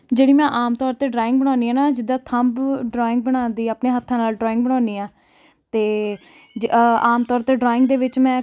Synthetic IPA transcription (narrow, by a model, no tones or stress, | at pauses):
d͡ʒeːɽiːmɛ̃ːʔaːmt̪ɔːɾt̪eːɖɾaːɪ̃ŋɡ̚bəɽ̃ãːniːɛːnaːd͡ʒɪd̪ːaːt̪ʰəmbɖɾɔːɪ̃ŋɡ̚bəɽ̃ãːnd̪iːaːpneːɦət̪ʰːãːnaːlɖɾɔːɪ̃ŋɡbəɽ̃ãːniːaː | t̪eː | aːmt̪ɔːɾt̪eːɖɾɔːɪ̃ŋɡd̪eːʋɪt͡ʃmɛ̃ː